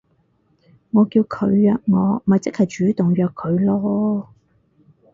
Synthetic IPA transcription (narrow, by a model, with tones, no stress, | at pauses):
ŋɔː˨˧kiː˧wkʰɵ˨˧ɥjœː˧k̚ŋɔː˨˧m̩˨ɐ˨jt͡sɪ˥k̚hɐ˨jt͡ʃyː˨˥t̪ʊ˨˩ŋjœː˧kʰːɵ˨˧ɥlɔː˥